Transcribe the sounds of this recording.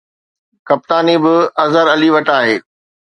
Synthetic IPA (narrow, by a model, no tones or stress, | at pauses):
kɐp̚t̪aːnibɪɐzəɾɐliʋɐʈaːɦeː